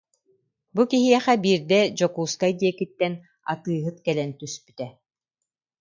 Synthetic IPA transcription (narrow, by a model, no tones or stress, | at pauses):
bukiɦiɛχɛbiːɾd̪ɛd͡ʑɔkuːskaɛd̪iɛkit̪ːɛn | a̰t̪ɯːɦɯt̪kɛlɛnt̪yspy̥t̪ɛ